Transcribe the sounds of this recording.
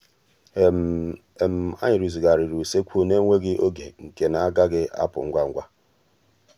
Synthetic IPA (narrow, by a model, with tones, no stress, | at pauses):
e˨m̩˨a̰˦ɲɪ˨ɾu˨zi˨ɡa˨ɾi˨ɾu˨se˦kʷʰu˦ne˦ŋʷe˦ɡɪ˦ʔo˦ɡḛ˨ŋ̩˨ke˨na˨a˦ɡa˦ɡɪ˦ʔa̰˦pʊ̰˨ŋ̩˦ɡʷa˦ŋ̩˦ɡʷa˦